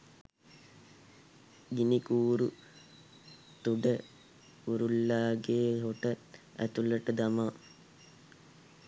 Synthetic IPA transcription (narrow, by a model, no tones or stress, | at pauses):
ɡinikuːɾu | t̪uɖə | uɾulːaːɡeːɦoʈəæ̰t̪ulɐʈɐd̪ɐma